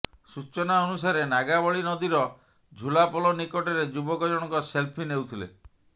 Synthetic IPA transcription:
sut͡ʃɔnaɔnusaɾenaɡabɔɭinɔd̪iɾɔ | d͡ʒʱulapɔlɔnikɔʈɔɾed͡ʒubɔkɔd͡ʒɔɽ̃ɔkɔselpʰinewt̪ʰilḛ

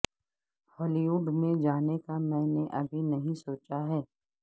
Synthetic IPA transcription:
hɔːliʋuːɖmẽd͡ʒaːnekamɛ̃ːneʔɐbʱinɐɦĩsoːt͡ʃaɦɛː

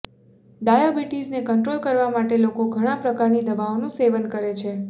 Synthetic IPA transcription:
ɖajobiʈid͡ʒnekəɳʈɾolkəɾʋamaʈelokoɡʱəɽ̃ãpɾəkaɾnid̪əbaonũseʋənkəɾet͡ʃʰe

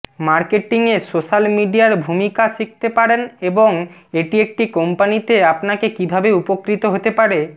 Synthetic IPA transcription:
maɾkeʈiŋesoʃalmiɖijaɾbʱumikasik̚t̪epaɾeneboŋeʈiek̚ʈikompanit̪eapnakekibʱabeupokɾit̪oɦot̪epaɽe

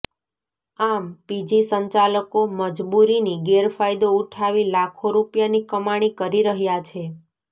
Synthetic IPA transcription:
ampid͡ʒisəɲt͡ʃaləkoməd͡ʒbuɾiniɡeɾfajd̪ouʈʰaʋilakʰoɾupjanikəmaɽ̃ikəɾiɾəɦjat͡ʃʰe

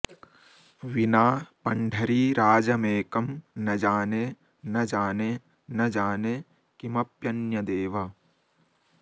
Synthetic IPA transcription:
ʋinaːpɐɳɖʱɐɾiːɾaːd͡ʒɐmeːkɐmnɐd͡ʒaːne | nɐd͡ʒaːne | nɐd͡ʒaːne | kimɐpjɐnjɐd̪eːʋɐ

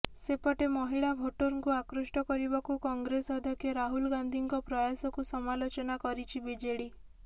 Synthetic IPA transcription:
sepɔʈemɔɦiɭabʱoʈoɾɔŋkuakɾosʈɔkɔɾibakukɔŋɡɾesɔd̪ʱɔkjɔɾaɦulɡand̪ʱiŋkɔpɾɔjasɔkusɔmalot͡ʃɔnakɔɾit͡ʃʰibid͡ʒeɽi

